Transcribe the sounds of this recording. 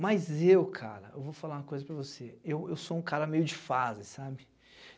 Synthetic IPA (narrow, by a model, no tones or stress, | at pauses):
mɐjzewkʰa̰ɾɐ̰ewvofalaũɐkojzɐpɾɐvoseewewsoũkaɾɐmejʊd͡ʒɪfazɪsabɪ